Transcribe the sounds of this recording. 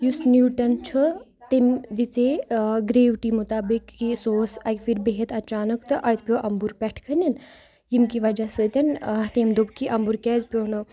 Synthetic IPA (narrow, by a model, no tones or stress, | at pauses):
jusnjuːʈɐnt͡ʃʰu | t̪emd̪it͡seɡɾeːʋʈimut̪aːbikːisoːsɐkʲfiɾbeɦet̪ɐt͡ʃaːnɐkt̪ɨʔɐjt̪̚ʰpʲjoʔɐmbuɾpʲɛʈʰkʰɐnʲin | jimkiʋɐd͡ʒasɨt̪ʲɐnɐt̪eːmd̪ubkiʔɐmbuɾkɛːzpʲjoːnɨ